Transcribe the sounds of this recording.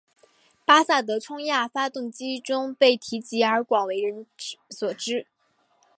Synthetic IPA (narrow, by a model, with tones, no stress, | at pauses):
pa˥sa˥˩t̪̬ɤ˧˥ʈ͡ʂʰʊ˥ŋja˥˩fa˥t̪ʊ˥˩ŋt͡ɕi˥ʈ͡ʂʊ˥ŋpe˥˩ɪt̪ʰi˧˥t͡ɕi˧˥ə˞˧˥kwɑ˨˩ŋwe˧˥ɪɻə˧˥nswɔ˨˩ʈ͡ʂɻ̩˥